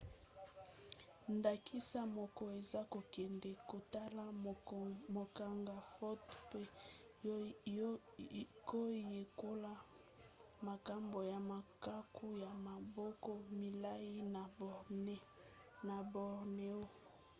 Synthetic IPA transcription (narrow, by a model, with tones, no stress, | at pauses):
nda˨kʰi˦sa˦mɔ˨kɔ˦e˨za˦ko˨kɛ˨ndɛ˨ko˨ta˦la˦˨mo˨ka˨ŋɡa˨fo˦tpe˦ | ko˦je˨ko˦la˦ | ma˨ka˦mbo˨ja˨ma˨ka˦kʰu˦ja˨ma˨bɔ˦kɔ˦mi˨la˦ji˦n˨˦ | na˨bɔ˨ʁne˦o˦